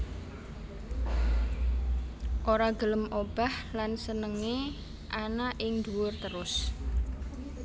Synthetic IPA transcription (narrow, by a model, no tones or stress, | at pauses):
ʔoɾaɡ̥ələmʔob̥ahlansənəŋe | ʔanaʔɪŋd̪uwʊrt̪əɾʊs